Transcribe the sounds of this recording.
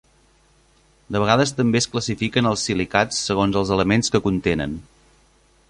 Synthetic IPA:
d̪əβ̞əɣaðəst̪əmbeəskləsifikənəlˠsːilikat͡sːəɣ̞onzəlˠzələmenskəkunt̪enə̰n

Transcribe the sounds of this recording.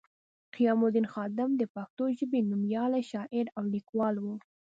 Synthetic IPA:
qijɑmʊd̪inxɑd̪ɪmd̪əpak̚t̪oʒəbenumjɑlaʃɑʔɪɾawlikwɑlwu

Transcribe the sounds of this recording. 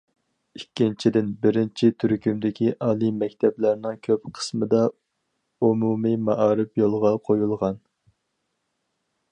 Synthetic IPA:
ikʲːint͡ʃʰid̪ɪnbɪɾɪnt͡ʃʰit̪ʰyɾkʲymd̪ɪkʲʰiʔɑːlˠimɛkʲt̪ʰɛblæɾnɪŋkʲʰøpqʰə̥smɨd̪ɑ | umumimɑʔɑːɾɨpjolˠʁɑqʰojulˠʁɑn

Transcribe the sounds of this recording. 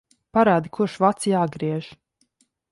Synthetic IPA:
paɾaːd̪ikʰuʃvat̪sijaːɡɾiɛʒ

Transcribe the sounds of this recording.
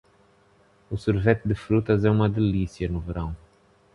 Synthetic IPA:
usuɾvet̪d̪ɨfɾut̪ɐzɛumɐd̪elisjɐnuvɨɾɐ̃w̃

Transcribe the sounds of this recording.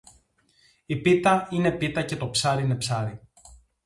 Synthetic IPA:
ipit̪ɐine̞pit̪ɐce̞t̪o̞psɐɾiine̞psɐɾi

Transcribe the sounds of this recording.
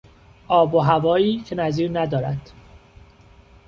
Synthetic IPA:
ʔɒːboɦævɒːiːcʰe̞næziːɾnæd̪ɒːɾæd̪̥

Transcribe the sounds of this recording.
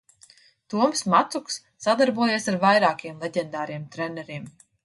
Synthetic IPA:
t̪uɔmsmat̪suksːad̪aɾbuɔjeːsaɾvajɾaːkiɛmlˠɛɟɛnd̪aːɾiɛmt̪ɾɛnɛɾiɛm

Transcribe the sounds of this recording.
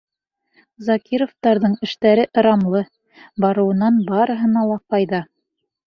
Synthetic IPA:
zɑkʲiɾoft̪ɑɾðɤɴɘ̆ʃt̪æɾɘʔɤ̆ɾɑmlˠɤ | bɑɾɤ̆wɤ̆nɑnbɑɾɤ̆ɦɤ̆nɑlˠɑqɑjðɑ

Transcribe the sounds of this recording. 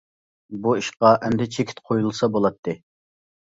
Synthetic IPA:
buiʃqɑʔɛnd̪ɛt͡ʃʰekʲʰi̥t̪qʰojulˠsɑbolˠɑt̪ʰːɨ

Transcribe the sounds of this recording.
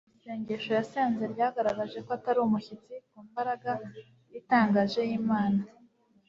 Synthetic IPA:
ijeːɲɟe̞ʃo̞jaseːnze̞ɾɟaːɡaɾaɡaʒe̞koataɾuumuçit͡sikuːmbaɾaɡa | jitaːŋɡaʒe̞jiːmaːna

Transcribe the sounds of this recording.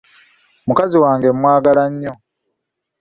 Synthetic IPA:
mukaziwaːŋɡe̞mwaːɡalaɲːo

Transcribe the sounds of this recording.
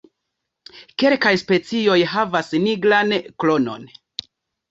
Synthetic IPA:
ke̞lkajspe̞t͡sio̞jɦavasniɡlanklo̞no̞̰n

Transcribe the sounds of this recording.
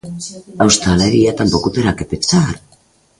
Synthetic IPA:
awst̪aleɾiat̪ampokut̪eɾakepensaɾ

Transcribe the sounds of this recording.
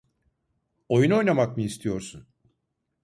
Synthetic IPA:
o̞juno̞jnamakmɯːst̪ʰijo̞ɾsun

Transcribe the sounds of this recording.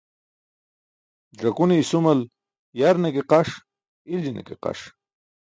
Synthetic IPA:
d͡ʑɐkuneisumɐl | jaɾnekeqaʂ | ilinḛkeqa̰ʂ

